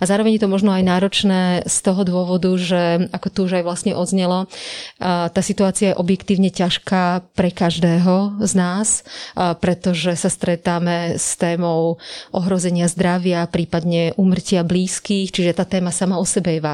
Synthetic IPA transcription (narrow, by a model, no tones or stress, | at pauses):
azaːɾɔʋɛɲjɛt̪ɔmɔʒnɔajnaːɾɔt͡ʃnɛːst̪ɔɦɔd̪ʊɔʋɔd̪uʒɛakɔt̪uuʒajʋlast̪ɲɛʔɔd̪zɲɛlɔ | t̪aːsit̪uaːt͡siajɛʔɔbjɛkt̪iːʊɲɛcaʃkaːpɾɛkaʒd̪ɛːɦɔznaːspɾɛt̪ɔʒɛsast̪ɾɛt̪aːmɛst̪ɛːmɔʊʔɔɦɾɔzɛɲɪazd̪ɾaʋɪapɾiːpad̪ɲɛʔuːmr̩cɪabliːskiːxt͡ʃiʒɛt̪aːt̪ɛːmasamaɔsɛbɛjɛʋa